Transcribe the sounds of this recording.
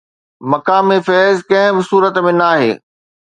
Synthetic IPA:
mɐkaːmefɛːzkɐ̃ɦɪ̃bɪsuːɾət̪mẽnaːɦḛː

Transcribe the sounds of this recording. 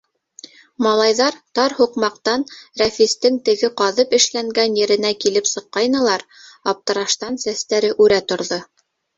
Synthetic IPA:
mɑlˠɑjðɑɾt̪ɑɾhuqmɑqt̪ɑnɾæfist̪ɘŋt̪ɘ̆ɡɘqɑðɤpɘ̆ʃlæŋɡænjɘ̆ɾɘ̆nækilɘpsɤ̆qːɑjnɤ̆lˠɑɾ | ɑp̚t̪ɤ̆ɾɑʃt̪ɑnsæst̪æɾɘʔʉɾæt̪ŏɾðo

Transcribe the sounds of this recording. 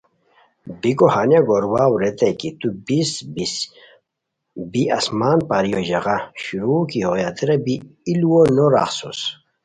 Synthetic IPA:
bikohanjaɡoɾwawɾet̪ekit̪ubisbis | bia̰smaːnpaɾijoʑɐʁaɕuɾukihojat̪iɾɐbiːluwonoɾa̰xsus

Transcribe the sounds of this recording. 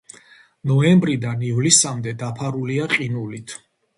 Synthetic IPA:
nɔɛmbɾid̪anivlisamd̪ɛd̪apʰaɾuliaqʼinulit̪ʰ

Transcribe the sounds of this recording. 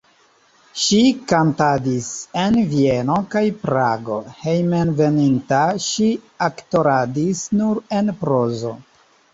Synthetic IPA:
ʃikantadisenvie̞no̞kajpɾaɡo̞he̞jmenve̞nintaʃiakto̞ɾadisnuɾe̞npɾozo̞̰

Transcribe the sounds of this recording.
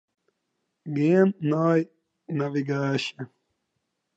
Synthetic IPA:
ɡeːnnaːj | nɐʋiɡaːɕe

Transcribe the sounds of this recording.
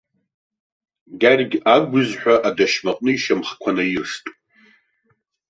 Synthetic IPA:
ɡarɡʲaɡʷʊzħʷᶣaʔadaʃmaqʼnɨiʃamχkʷʰanajɪʂtʼ

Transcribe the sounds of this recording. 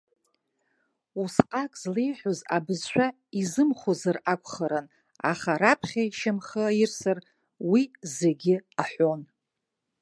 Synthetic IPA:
usqʼakʼzlejħʷozabɨzʃʷᶣa | izɨmχozarakʷʰʼχəɾan | a̰χaɾapʰχʲaʃamχəairsar | wizeɡʲɪaħʷo̞n

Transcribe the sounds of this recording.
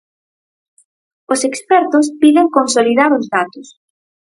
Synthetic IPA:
osekspɛɾt̪ʊspiðɪŋkonsoliðaɾʊzðat̪ʊs

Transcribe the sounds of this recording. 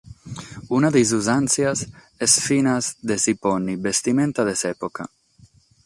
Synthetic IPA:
unaðejz̬uzansjaz | ɛsfinazd̪esipɔnibest̪imẽnt̪aðesɛpoka

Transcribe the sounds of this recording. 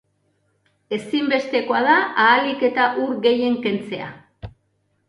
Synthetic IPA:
e̞simbe̞st̪e̞ko̞að̞aaːlike̞t̪aʔuɾɣe̞je̞ŋke̞nt͡se̞a̰

